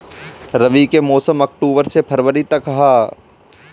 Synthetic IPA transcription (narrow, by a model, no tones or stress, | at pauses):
ɾɐʋikemɔːsəmɔk̚ʈoːbəɾsepʰɐɾʋəɾit̪ɐkɦaː